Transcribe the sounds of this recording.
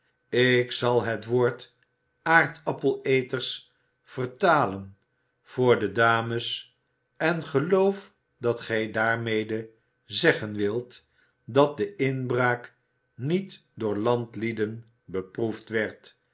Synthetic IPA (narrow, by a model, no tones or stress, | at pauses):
ɪksɑlˠɦətʋoːɹt | aːɹtʰɑpəlˠejtərs | fərtaːlən | v̥ʊːɹdədaːməs | ɛnχəlowf | dɑtχɛjdaːɹmejdə | zɛχənʋɪlˠt | dɑt̚dəɪnbraːk | nit | dʊːɹlɑntlidən | bəpruftʋɛɹt